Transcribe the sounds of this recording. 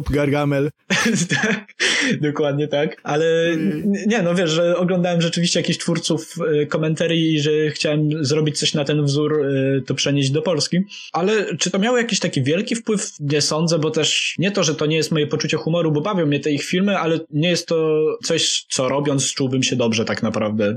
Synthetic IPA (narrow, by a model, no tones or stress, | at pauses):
pɡaɾɡamɛlt̪akd̪ɔkwad̪ɲɛt̪akalɛ | ɲɛnɔvʲjɛʂʐɛɔɡlɔnd̪awɛmʐɛt͡ʂɘvʲiɕt͡ɕɛjakʲiçɕtfuɾt̪sufkɔmɛnt̪ɛɾjiːʐɛxt͡ɕawɛmzɾɔbʲit͡ɕt̪sɔɕnat̪ɛnvzuɾt̪ɔpʂɛɲeʑd͡ʑd̪ɔpɔlskʲi | ʔalɛt͡ʂɨt̪ɔmʲjawjakʲiɕt̪akʲivʲjɛlkʲifpwɘfɲɛsɔnd̪zɛbɔt̪ɛʂɲɛt̪ɔʐɛt̪ɔɲɛjɛst̪mɔjɛpɔt͡ʂut͡ɕɛxumɔɾubɔbavʲjɔ̃w̃mːɲɛt̪ɛixfʲilmɘʔalɛɲɛjɛst̪ːɔt̪sɔɕt̪sɔɾɔbʲjɔntst͡ʂuwbɘmɕɛd̪ɔbʐɛt̪aknapɾavd̪ɛ